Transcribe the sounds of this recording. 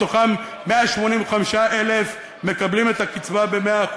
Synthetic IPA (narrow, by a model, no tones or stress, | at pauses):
oχamː | eaʃmo̞nimveχamiʃaʔelef | me̞kablime̞t̪akit͡svabe̞mea